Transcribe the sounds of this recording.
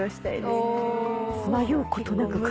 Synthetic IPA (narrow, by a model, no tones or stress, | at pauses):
ɕt̪ai | majoiko̞t̪o̞nakɯ̟